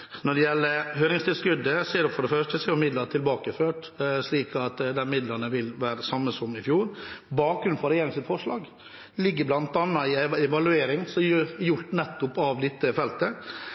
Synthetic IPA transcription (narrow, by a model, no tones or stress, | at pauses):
nɔɖɛjɛlːəhøːɾɪŋst̪ʰɪlskʉd̪ːəseːɾʊfɔɖɛfœʂʈəseɾʊmɪd̪ləɾʈ̪ʰɪlbɑːkəføːʈ | ʂliːkʰɑt̪d̪ɛnmɪd̪ləɾnəʋɪlʋæːɾəsɑmːəsɔmɪfjuːɾbɑːkɾʉnfɔɾɛjeːɾɪŋsɪt̪fɔʂɭɑːɡ | lɪɡːəɾblɑnt̪ɑnːɑɪɛɛʋɑlʉeːɾɪŋsɔjjʊʈːnɛt̪ːʊpɑʋd̪ɪt̪ːəfɛlt̪ə